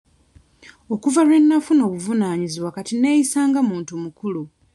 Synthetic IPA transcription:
o̞kuvalwe̞nːafuno̞ːβuvunaːɲiziβwakatine̞ːjisaːŋɡamuːntumukulu

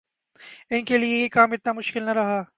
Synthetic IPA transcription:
ɪnkelieekaːmɪt̪namʊʃkɪlnɐɾɐɦaː

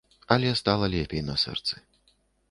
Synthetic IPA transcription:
ɐlʲɛst̪alˠɐlʲɛpʲɛjnɐsɛ̰rt̪sɨ

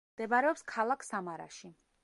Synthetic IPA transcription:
d̪̥ɛvaɾɛɔpskʰalˠakʰsamaɾa̰ʃi

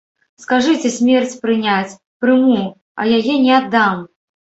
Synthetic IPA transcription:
skaʐɨt͡sʲɛsʲmʲɛrt͡sʲpɾɨnʲat͡sʲ | pɾɨmu | ɐ̰jajɛnʲɛad̪ːam

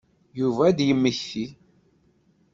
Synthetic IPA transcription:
juvæd̪jəmːəçːi

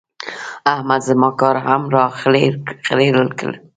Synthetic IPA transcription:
ahmad̪zəmɑkɑɾɦamɾɑexɾeɾəlkə̰l

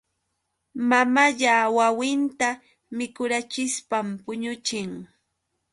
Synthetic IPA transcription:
mamaʎawawɪnt̪a | mɪkʊɾat͡ʃɪspampʊɲʊt͡ʃɪŋ

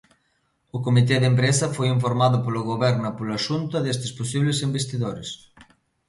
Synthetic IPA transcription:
okomit̪eðempɾesɐfojiɱfoɾmaðʊpoloɣoβɛɾnapolaʃunt̪ɐðest̪esposiβlesimbest̪iðoɾes

